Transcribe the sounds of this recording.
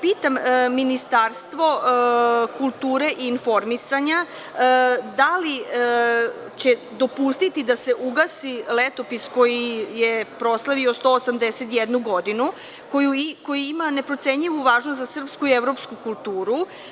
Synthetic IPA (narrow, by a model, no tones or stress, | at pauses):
piːt̪amːinist̪aɾst̪ʋo̞ | kulˠt̪uːɾe̞ʔiːnfo̞ɾmisaɲa | d̪ali | t͡ɕe̞ | d̪o̞pust̪it̪id̪aseʔuɡasilet̪o̞pisko̞jijepɾo̞slˠaʋiost̪o̞ːsamd̪eset̪jed̪nuɡo̞d̪inu | kojuko̞jiimane̞pɾot̪se̞ɲʎiʋuʋaːʒnost̪zasr̩pskuieʋɾo̞pskukulˠt̪uːɾu